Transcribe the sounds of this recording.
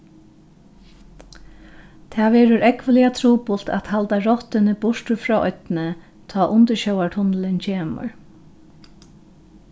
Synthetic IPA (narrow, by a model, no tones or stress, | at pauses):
t̪ʰaːʋɛːɾʊɾɛkʋəliat̪ʰɾuːpʊlt̪a̰t̪halt̪aɹɔht̪ɪnɪbʊʂt̪ʊfɾɔːʔɔt̪nɪ | t̪ʰɔːʔʊnt̪əɕɔwaɹʈ̪ʰʊnlɪnt͡ɕʰeːmə̰ɹ